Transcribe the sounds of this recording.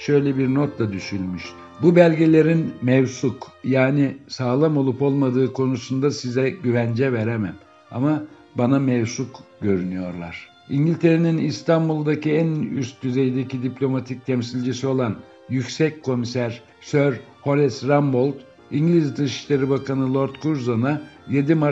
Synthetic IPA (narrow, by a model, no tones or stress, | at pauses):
ʃø̞jlʲɛbiɾnot̪lˠad̪yʃylʲmyʃt̪ | bubælʲɟelʲe̞ɾinmɛvsukjaːnisaːlˠamo̞lˠupo̞lˠmad̪ɯːkʰo̞nusund̪asizɛɟyvænd͡ʒɛveɾemæm | a̰ma | banamɛvsukɟø̞ɾynyjo̞ɾlˠa̰ɾ̥ | iɲɟilʲt̪ʰe̞ɾeninist̪ʰanbulˠd̪aciæny̰st̪̚d̪yze̞jd̪ecid̪iplʲo̞mat̪ʰic̚t̪ʰɛmsilʲd͡ʒisio̞lˠan | jycsɛckʰːo̞misæɾ | søɾ | ho̞lʲɛsɾambo̞lˠt̪ | iɲɟlʲizd̪ɯʃi̥ʃlʲe̞ɾibakanɯlˠo̞ɾt̪kʰuɾzana | je̞d̪ima